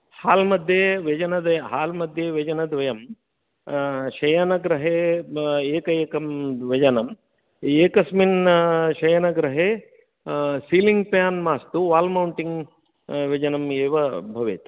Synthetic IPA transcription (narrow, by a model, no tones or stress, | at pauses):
haːlmɐd̪ʱjeːʋɐd͡ʒɐnɐd̪ʋɐjɐɦaːlmɐd̪ʱjeːʋɐd͡ʒɐnɐd̪ʋɐjɐm | ʃɐjɐnɐɡɾɐɦeːeːkɐjeːkɐmʋɐd͡ʒɐnɐm | eːkɐsminʃɐjɐnɐɡɾɐɦeː | siːliŋɡpjaːnmaːst̪uʋaːlmɐwɳʈiŋɡ | ʋɐd͡ʒɐnɐmeːʋɐbʱɐʋeːt̪